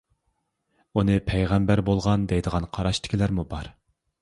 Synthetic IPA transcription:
unɨpʰɛjʁɛmbæɾbolˠʁɑnd̪ɛjd̪əʁɑnqʰɑɾɑʃt̪ʰɪ̥kʲilæɾmubɑɾ

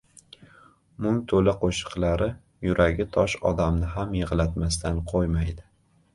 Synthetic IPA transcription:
mʊŋt̪ʰolaqʰoʃɨ̥qlaɾɪ | jʊɾʔaɡʲɪt̪ʰɒʃɒ̰d̪amnɪɦamjɨʁlat̪mast̪ʰanqʰojmajd̪ɪ

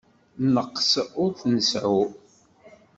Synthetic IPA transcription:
nəqːsʊɾθnəsʕʊ

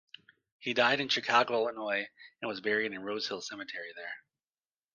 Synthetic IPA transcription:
hidaɪɾɨ̃nʃɨkʰɑɡoʊlˠənɔɪɨ̃nwʌzbɛɹiɾɨ̃nɹoʊz̥hɪlˠsɛmɨtʰɛɹiðə˞

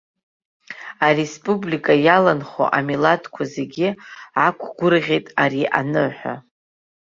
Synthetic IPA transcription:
aɾe̞spʼublikʼajalanχo̰ʔamilatʰkʷʰazeɡʲiʕakʷʰɡʷʊrʁʲejtʼaɾiʔa̰nɨħʷa̰

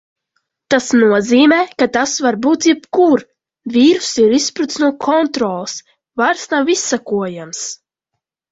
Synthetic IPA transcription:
t̪asnuɔziːmɛːkat̪asvaɾbuːt̪jɛpkuɾ | vʲiːɾusiɾispɾut̪snuɔkʰɔnt̪ɾɔːlˠs | vaɾsnawisːakuɔjams

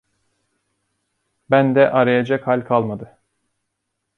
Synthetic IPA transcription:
bænd̪ɛʔaɾajad͡ʒakhalʲkʰalˠmad̪ɯ

